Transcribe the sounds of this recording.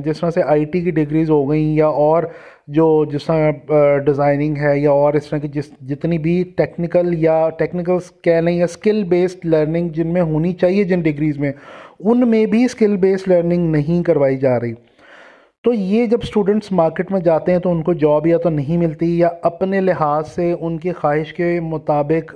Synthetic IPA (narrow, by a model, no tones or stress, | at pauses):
d͡ʒɪst̪ɾãseʔaːiʈikiɖɪɡɾiːzɦoɡɐĩjaɔːɾ | d͡ʒoːd͡ʒɪst̪əɾãɖɪzaːɪnɪ̃ŋɡɦɛːjaɔːɾɪst̪ɾãkid͡ʒɪsd͡ʒɪt̪nibʱiʈɛːknɪkəljaʈɛːknɪk̬əlskɛːlɐɦĩɦɛskɪlbeːsʈləːɾnɪ̃ŋɡd͡ʒɪnmẽɦoːnit͡ʃaːɦied͡ʒɪnɖɪɡɾiːzmẽːʊnmẽbʱiskɪlbeːsʈləːɾnɪ̃ŋɡnɐɦĩkɐɾʋaːid͡ʒaːɾɐɦiː | t̪oːjeːd͡ʒɐbsʈuːɖə̃ɳʈsmaːɾkeːʈmẽd͡ʒaːt̪eɦɛ̃t̪oʊnkod͡ʒɔːbjat̪onɐɦĩmɪlt̪ijaɐpnelɪɦaːzseʊnkexaːɦɪʃkemʊt̪aːbɪk